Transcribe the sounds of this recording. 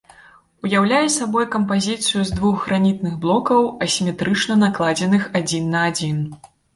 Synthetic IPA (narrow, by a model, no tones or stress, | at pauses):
ujawlʲajɛsabɔjkɐmpazʲit̪sɨjuzd̪vuxɣɾanʲit̪nɨɣblˠɔkɐwɐsʲimʲɛt̪ɾɨt͡ʂnɐnaklˠad͡zʲɛnɨxad͡zʲinːɐːd͡zʲin